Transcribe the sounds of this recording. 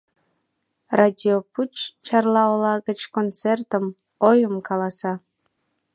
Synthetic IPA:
radʲioput͡ɕt͡ɕɑrlˠɑolˠɑɣət͡ɕkont͡sert̪əm | ojəmkɑlˠɑsɑ

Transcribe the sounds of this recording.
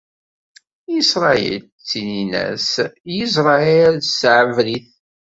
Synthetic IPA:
isɾˤɑḭl | t͡sːininæ̰sjizɾˤɑielsʕəvliθ

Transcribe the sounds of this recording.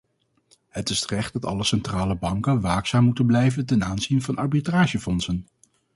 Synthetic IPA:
ɦətɪstrɛχt̚dɑtɑ̰ləsɛntraːləbɑŋkənʋaːksaːmːutənblɛjvəntɛnaːnzinvɑnʔɑɹbitraːʒəfɔnsən

